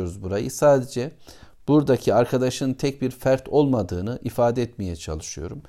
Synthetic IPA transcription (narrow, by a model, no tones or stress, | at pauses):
oɾuzbuɾajɯsaːd̪ed͡ʒɛ | b̥uɾd̪acʰiaɾkʰad̪aʃɯnt̪ʰɛc̚biɾfæɾt̪ʰo̞lˠmad̪ɯːnɯʔifaːd̪ɛɛt̪mijɛt͡ʃʰa̰lˠɯʃɯjo̞̰ɾum